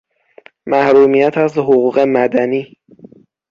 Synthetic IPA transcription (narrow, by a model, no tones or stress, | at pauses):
mæhɾuːmijæt̪ʰæshoɣuːɢe̞mæd̪æniː